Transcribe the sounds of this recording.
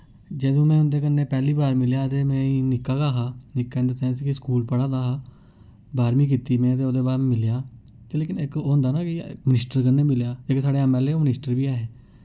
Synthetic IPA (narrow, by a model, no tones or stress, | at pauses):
d͡ʒeːd̪õːmɛ̃ːʊnd̪eːkənːeːpɛːliːbaːɾmɪljaːt̪eːmɛ̃ːiːnɪkːaːɡaːɦaːnɪkːaːɪ̃nd̪əɾsɛːnskɪskuːlpəɽaːd̪aːɦaː | baːɾmiːk̬iːt̪iːmɛ̃ːt̪eːoːd̪eːbaːɾmɪljaː | t̪eːleːkɪnɪkoːɦʊ̃nd̪aːnaːkɪmɪnɪsʈəɾkənːeːmɪljaːd͡ʒeːkesaːɽeːɛmɛːleːoːmnɪsʈəɾʋiːaːɦeː